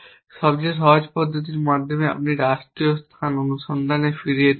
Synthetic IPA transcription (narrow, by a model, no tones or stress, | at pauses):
ʃɔbd͡ʑeʃ̬ɔɦod͡ʑpɔd̪ʱːot̪̬iɾmad̪ʱomea̰p̚niɾaʃʈɾijost̪ʰanonuʃɔnd̪ʱanefiɾie